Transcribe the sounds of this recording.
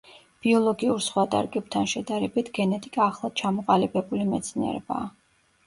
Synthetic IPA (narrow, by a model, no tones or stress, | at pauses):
b̥iɔlˠɔɡiuɾsχwat̪ʼa̰ɾkʼɛb̚t̪ʰanʃɛd̪aɾɛbit̪ʰɡɛnɛt̪ʼikʼaːχlˠad̪̥̚t͡ʃʰamɔqʼalibɛbulimɛt̪sʰniɛ̰ɾɛ̰ba̰ː